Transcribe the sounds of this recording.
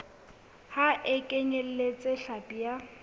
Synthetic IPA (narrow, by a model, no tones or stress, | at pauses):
haʔekʼeɲel̩let͡sʼeɬapʼija